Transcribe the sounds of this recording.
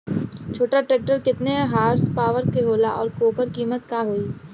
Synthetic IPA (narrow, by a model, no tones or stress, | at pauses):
t͡ʃʰoːʈaʈɾeːk̚ʈəɾkɪt̪neɦaːɾspaːʋəɾkeɦoːlaʔɔ̰ːɾkoːkəɾkiːmət̪kaːɦoːiː